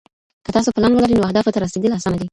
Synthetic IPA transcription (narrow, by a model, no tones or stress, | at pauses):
kət̪ɑsopəlanwəlaɾinoahd̪ɑfot̪aɾased̪əlasanad̪i